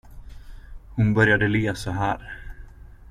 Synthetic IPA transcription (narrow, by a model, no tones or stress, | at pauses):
hʊnbœɾjad̪əliːasɔɦæːɾ